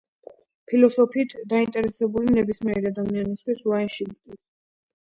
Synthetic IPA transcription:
pʰilɔsɔpʰiːt̪ʰd̪aint̪ʼɛɾɛsɛbulinɛbismiɛɾiad̪amianist̪ʰwisuwaɛnʃilt̪ʼi

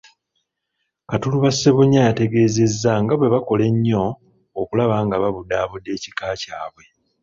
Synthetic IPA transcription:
katuluβaseβuɲːajate̞ɡe̞ːze̞zːaŋɡaβwe̞βako̞le̞ɲːo̞ː | kulaβaːŋɡaβaβudaːβudːe̞ːci̥kaːcaːβwe̞

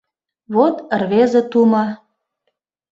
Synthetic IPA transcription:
βot̪ərβezĕt̪umɑ

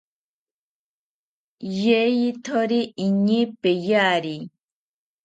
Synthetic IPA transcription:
jejit̪ʰoɾiiɲipejaɾi

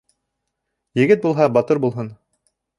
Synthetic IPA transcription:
jɘ̆ɡɘt̪̚bulˠɦɑbɑt̪ɤɾbulˠɦɤn

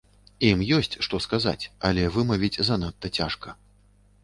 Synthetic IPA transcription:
imjɔsʲt͡sʲʂt̪ɔskaza̰t͡sʲɐ̰lʲɛvɨmɐvʲit͡sʲzanat̪ːɐt͡sʲaʂkɐ

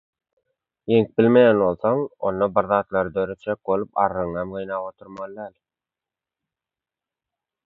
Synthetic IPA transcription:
jeŋk̚bɪlmejænbo̞lˠθoŋo̰nːɑbiɾðɑːt̪lˠɑɾɯd̪øɾøt̪d͡ʒek̚bo̞lˠupɑ̰ɾːɯŋɑmɡɯjnɑːpot̪ʰuɾmɑlˠd̪æːl

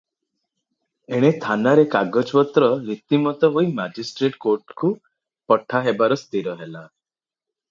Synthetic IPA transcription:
eɽ̃et̪ʰanaɾekaɡɔd͡ʒpɔt̪ɾɔɾit̪imɔt̪ɔɦoimad͡ʒisʈɾeʈkoɾʈku | pɔʈʰaɦebaɾɔst̪iɾɔɦela

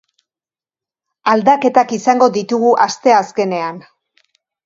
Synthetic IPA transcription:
ald̪ake̞t̪akisaŋɡo̞ðit̪uɣuʔast̪e̞aske̞ne̞an

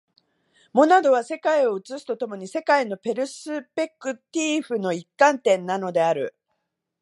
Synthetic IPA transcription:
mo̞nad̪o̞βase̞kaio̞ɯ̟t͡sɨsɨ̥t̪o̞t̪o̞mo̞ɲ̟ise̞kaino̞pe̞ɾɯ̟sɨpe̞kːɯ̟t̪ʲiːɸɯ̟no̞ikːãnt̪ẽ̞nːano̞d̪e̞aɾɯ̟

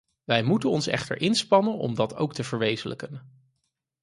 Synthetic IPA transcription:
ʋɛjmutənɔnsɛ̰χtə̰ɹʔɪnspɑnənɔ̰mdɑtʰo̰wk̚təv̥əɹʋejzələkən

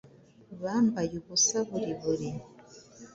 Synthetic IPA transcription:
βaːmbajuβusaβuɾiβuɾi

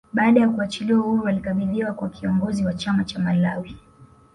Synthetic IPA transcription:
ɓaːɗajakuat͡ʃiliwahuɾualikaɓiðiwakwakʰiɔŋɡɔziwat͡ʃamat͡ʃamalawi

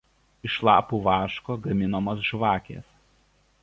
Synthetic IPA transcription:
ɪʃlˠɑ̰ːpuːʋɑːʃkoːɡɐmʲɪnomɐs̬ʒʋɑːkʲḛːs

